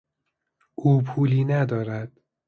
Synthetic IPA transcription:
ʔuːpʰuːliːnæd̪ɒːɾæd̪̥

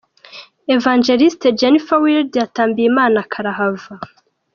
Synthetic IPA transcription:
evaːnd͡ʒeɾisted͡ʒenifawildjataːmbijimaːnakʰaɾaɦava

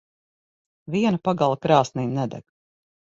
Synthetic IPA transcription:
viɛnapaɡalˠakɾaːsninʲnɛd̪ɛ̰ɡ

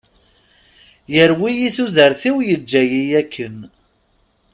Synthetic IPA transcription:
jəɾwijiθuðəɾθiwjəd͡ʒːæjijækːən

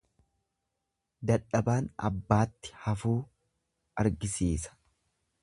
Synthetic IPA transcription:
d̪ɐᶑɐbaːnɐ̰bːaːt̪ːɪ̥hɐfuː | ɐɾɡɪsiːsɐ̥

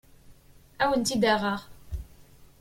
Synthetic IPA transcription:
æwənt̪id̪aʁəʁ

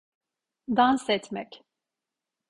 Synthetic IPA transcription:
d̪ansɛt̪mɛc

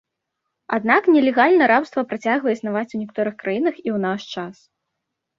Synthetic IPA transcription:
a̰d̪naknʲɛlʲɛɣalʲnɐɾapst̪vɐpɾat͡sʲaɣvɐisnavat͡sʲunʲɛkat̪ɔɾɨxkɾajinɐxiwnaʂt͡ʂas

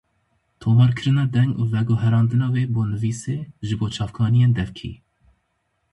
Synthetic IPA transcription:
t̪ʰoːmɑːɾkʰɨɾɨnɑːd̪ɛŋɡuːvɛɡoɦɛɾɑːnd̪ɨnɑːweːboːnɨviːseːʒɨboːt͡ʃʰɑːfkʰɑːnijeːnd̪ɛvkʰḭː

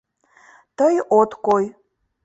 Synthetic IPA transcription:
tʰɐjʔotʰkʷʼoj

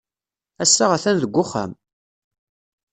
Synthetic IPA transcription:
æsːaʁaθænðəɡʷːʊχːæ̰m

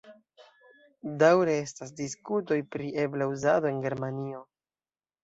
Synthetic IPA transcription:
dawɾe̞e̞stas̬diskuto̞jpɾiʔe̞blauzado̞e̞nɡe̞ɾmanio̞

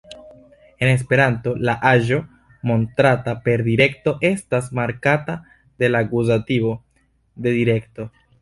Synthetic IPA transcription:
e̞ne̞s̬pe̞ɾanto̞laʔaʒo̞ | mo̞ntɾatape̞ɾdiɾe̞kto̞ʔe̞stasmaɾkata | de̞laɡuzatibo̞ | de̞diɾe̞kto̞

